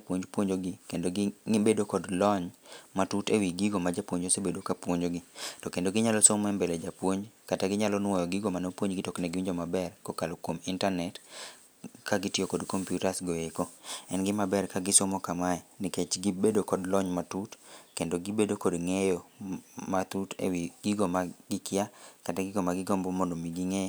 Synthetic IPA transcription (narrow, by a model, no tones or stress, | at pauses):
apwoɲd͡ʒpwoɲd͡ʒoɡɪkendoɡɪbedokɔdlɔɲmatutewiɡiɡomad͡ʒapwoɲd͡ʒosebedokapwoɲd͡ʒoɡɪtɔkendoɡɪɲalɔsoŋmɛmbeled͡ʒapwoɲd͡ʒkataɡɪɲalɔnwɔjɔɡɪɡomanopwoɲɡɪtɔknɛɡɪwiɲd͡ʒomabɛrkokalokwomɪntanɛt | kaɡɪtɪokodkompjutasɡoekoɛnɡɪmabɛrkaɡɪsomɔkamaɛnɪket͡ʃɡɪbedokɔdlɔɲmatutkendoɡɪbedokodŋejomat̪utḛwiɡiɡomaɡɪkɪjakataɡɪɡomaɡɪɡɔmbɔmondomiɡiŋɛ